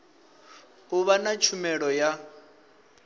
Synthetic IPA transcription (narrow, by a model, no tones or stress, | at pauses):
ɦuβanat͡ʃʰumɛɺɔja